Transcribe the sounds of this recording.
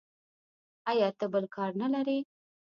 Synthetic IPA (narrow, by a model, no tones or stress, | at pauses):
ɑjɑt̪əbəlkʰɑɾnalaɾe